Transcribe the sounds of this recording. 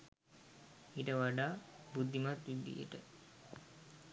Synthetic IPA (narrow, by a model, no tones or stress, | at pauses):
iʈəʋaɖaːbud̪ʱːimat̪ʋid̪ḭjə̰ʈə